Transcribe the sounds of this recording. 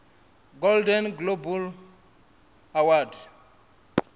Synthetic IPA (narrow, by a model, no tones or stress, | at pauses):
ɡoldɛnɡlobul | awad